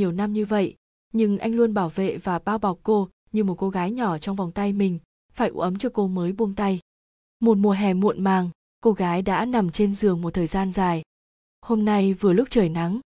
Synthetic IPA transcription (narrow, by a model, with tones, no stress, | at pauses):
ɲi˨˩əwna˧mɲɨ˧və̰˧˨j | ɲɨ˧ŋʔa̰˧jŋlu˧ənɓaː˧˩wvḛ˧˨vaː˨˩ɓaː˧wɓa˨˩k͡p̚ko˧ | ɲɨ˧mo˨˩t̚ko˧ɣaː˨˦jɲɔ˧˩t͡ɕɔ˧wŋ͡mvɔ˨˩wŋ͡mt̪a˧jmï˨˩ŋ̟ | faː˧˩jʔṵ˧˥ʔə˨˦mt͡ɕɔ˧ko˧məː˨˦jɓu˧mt̪a˧j | mo˨˩t̚mu˨˩əɦɛ˨˩mṵ˧˨ənmaː˨˩ŋ | ko˧ɣaː˨˦jɗa̰ː˧˥na˨˩mt͡ɕe˧nzɨ˨˩əŋmo˨˩t̚t̪ʰəː˨˩jzaː˧nzaː˨˩j | ho˧mna˧jvɨ˨˩əlʊ˦˥k͡p̚t͡ɕəː˧˨˩jna˨˦ŋ